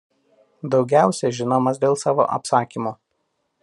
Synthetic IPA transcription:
d̪ɒʊɡʲæˑʊsʲɛʒʲɪnoːmɐsd̪ʲeːlˠsɑːʋo̰ːʔɐ̰psɑːkʲimuː

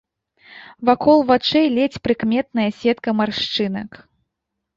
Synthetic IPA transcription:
vakʰɔlˠvat͡ʂɛjlʲɛt͡sʲpɾɨkmʲɛt̪nɐjɐsʲɛt̪kɐmarʂt͡ʂɨnɐk

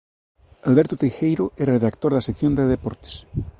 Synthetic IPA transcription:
alβɛɾt̪ot̪ejxejɾoɛreðakt̪oɾðasekθjond̪eðepɔ̰ɾt̪e̥s

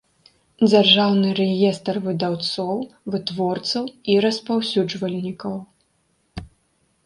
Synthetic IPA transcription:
d͡zʲarʐawnɨɾɛjɛst̪ɐrvɨd̪awt̪sɔwvɨt̪vɔrt̪sɐwiɾɐspawsʲud͡ʐvɐlʲnʲikɐw

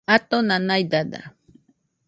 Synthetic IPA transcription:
at̪onanajd̪ad̪a̰

